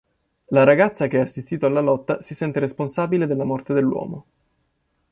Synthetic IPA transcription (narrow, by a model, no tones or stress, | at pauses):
laɾaɡat̪sːakeɛasːist̪iːt̪oalːalɔt̪ːasisɛnt̪eɾesponsaːbiled̪elːamɔrt̪ed̪elːwɔ̰ːmo